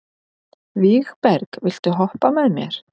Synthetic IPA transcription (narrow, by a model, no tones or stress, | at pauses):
viɣpɛɾkvɪl̥t̪ɪɦɔhpamɛðmjɛ̰ɾ̥